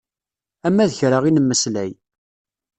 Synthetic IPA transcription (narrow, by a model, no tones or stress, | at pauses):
æmːæðəçɾaʁinəmːəslæj